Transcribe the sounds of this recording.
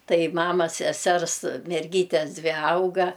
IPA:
ˈtɐɪ ˈmɑːmɐs sʲɛˈsʲɛrs mʲɛrʲˈɡʲiːtʲɛs ˈdʲʋʲɪ ˈɐʊɡɐ

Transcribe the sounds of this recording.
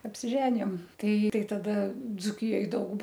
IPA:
ɐpʲsʲɪˈʒʲæːnʲɪjoːm ˈtɐɪ ˈtɐɪ tɐˈdɐ d͡zuːˈkʲɪjoːj ˈdɐʊk

